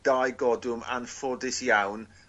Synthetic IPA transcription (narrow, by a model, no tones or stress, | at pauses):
d̥ajɡɔdʊma̰nfɔdɪsjawn